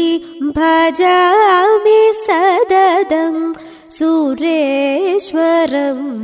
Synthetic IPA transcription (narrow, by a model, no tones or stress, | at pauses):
bʱaːd͡ʒamesɐd̪ɐd̪ʱɐm | suɾeʃʋɐɾɐm